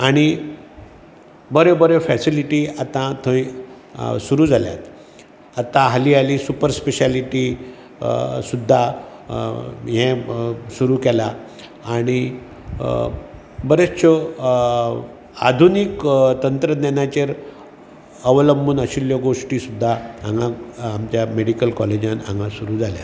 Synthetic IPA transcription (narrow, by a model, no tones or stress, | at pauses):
aɽ̃i | bəɾebəɾefɛsiliʈiːat̪ãt̪ʰə̃ĩ | suɾuːd͡zʱalja̰t̪ | at̪ãɦaliːalisupəɾspeɕaliʈi | sud̪ʱːa | ɦɛ̃suɾuːkɛlaː | ɽ̃i | bəɾet͡st͡ɕɔ | a̰d̪ʱunikt̪ənt̪ɾənɛnjat͡ɕeɾ | əʋələmbuːnəɕiljəɡoʂʈiːsud̪ʱːaãŋɡãːmt͡ɕjameɽikəlkɔled͡ʑanã̰ŋɡãsuɾuːd͡zʱalja̰